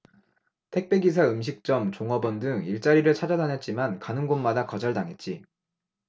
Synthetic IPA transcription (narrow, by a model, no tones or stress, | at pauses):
tʰe̞k̚p͈e̞ɡis̬ʰaɯmɕ̬ʰik̚t͡ɕ͈ʌmt͡ɕoŋʌbʌndɯŋiɭt͡ɕ͈aɾiɾɯɭt͡ɕʰad͡ʑadanɦet̚t͡ɕ͈imankanɯnɡonmadakʌd͡ʑʌɭdaŋet̚t͡ɕ͈i